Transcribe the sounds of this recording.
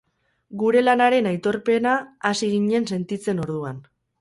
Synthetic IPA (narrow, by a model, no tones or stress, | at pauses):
ɡuɾe̞lanaɾe̞najt̪o̞ɾpe̞naːsiɣ̞iɲe̞nse̞nt̪it͡se̞no̞ɾðuan